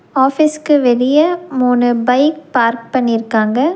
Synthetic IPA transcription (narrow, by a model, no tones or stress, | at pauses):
aːfɪskɯʋɛlɪjɐmuːnɯbɐɪk̚paːɾk̚pɐɳːɪɾɯkːaːŋɡɐ